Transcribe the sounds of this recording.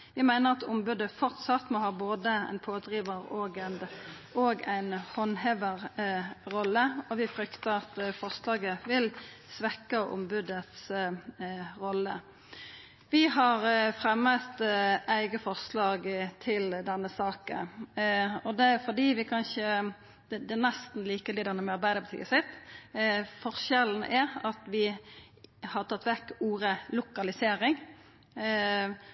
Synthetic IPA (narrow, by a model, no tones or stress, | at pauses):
ʋɪmæɪnəʁɑt̪ʊmbʉd̪əfɔʁt̪sɑt̪mɔːhɑːboːd̪əæ̰ɪnpʰoːd̪ʁiːʋəʁoːɡænd̪ | oːɡæɪnhɔnhɛʋəʁɾɔlːəɔʋɪfɾʏkt̪əʁɑt̪fɔʁslɑːɡəʋɪl | sʋɛkːəʔʊ̰mbʉd̪ət̪s | ʁɔlːə | ʋɪhɑʁfʁɛmːət̪ʔæɪɡəfɔʁslɑːɡt̪ʰɪld̪ɛnːəsɑːkə̰n | ɔd̪ɛfɔd̪iːʋɪkʰɑnʃə | d̪̥ɛd̪ɛnɛst̪n̩liːkəlɪd̪ɛnːəmɛɑɾbæɪd̪əpʰɔt̪ʰḭɡəsɪt̪ː | fɔɾʃɛln̩ʔæɾɑt̪ʋɪ | hɑʁt̪ʰɑt̪ːʋɛkuːʁəlʊkɑlɪseːɾɪŋ